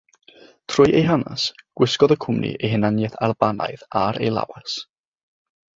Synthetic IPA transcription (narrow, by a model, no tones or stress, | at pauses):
tʰrʊjʔejɦana̰sɡ̥wɪskɔðəkʰʊmnḭʔejɦɪnanjɛθarbana̰ɨðaɾejlˠa̰was